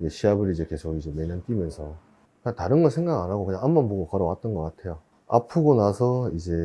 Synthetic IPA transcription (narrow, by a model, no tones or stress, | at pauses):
d͡ʑeɕʰiabɯɾid͡ʑe̞ke̞sʰoɡid͡ʑe̞me̞ɲʌnt͈imjʌnsʰʌ | kɯɲataɾɯnɡʌsʰe̞ŋɡaɡanɦaɡokɯɲaŋhambʌnpoɡokʌɾʌwat̚t͈ʌnɡʌk͈atʰe̞jo | a̰pʰɯɡonasʰʌid͡ʑe̞